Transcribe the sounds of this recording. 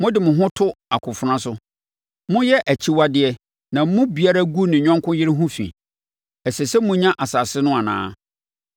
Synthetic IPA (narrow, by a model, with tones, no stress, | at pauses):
mʊ̃˦dɪ˨mʊ̃˨ɦʊ̃˦tʰʊ˦a˨kʰʊ̃˨fʊ˨˦ɾã˦sʊ˦ | mʊ̃˦jɛ˦ʔæ˨t͡ɕʰi˦wa˦dɪ˦ɛ˦ | nã˨m̩˦mʊ̃˦bi˨a˦ɾa˦ɡu˦nɪ̃˨ɲᶣɔ̃˦ŋkʰʊ̃˦jɪ˦ɾɪ˦ɦʊ̃˦fḭ̃˨ | ɛ˨sɛ˨sɛ˦mʊ̃˦ɲã˦ʔa˨saː˨sɪ˦nʊ̃˦a˨nã̰ː˦